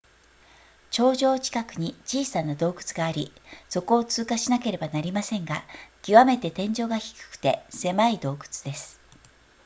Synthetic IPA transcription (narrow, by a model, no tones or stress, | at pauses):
t͡ɕo̞ːʑo̞ːt͡ɕi̥kakɯ̟ɲ̟it͡ɕiːsanad̪o̞ːɡɯ̟̥t͡sɨɡaːɾʲiso̞ko̞ːt͡sɨːkaɕinake̞ɾe̞banaɾʲimasẽ̞ŋɡakʲiβame̞t̪e̞t̪ẽ̞ɲ̟d͡ʑo̞ːɡaçi̥kɯ̟̥kɯ̟̥t̪e̞se̞maid̪o̞ːɡɯ̟̥t͡sɨ̥d̪e̞sɨ̥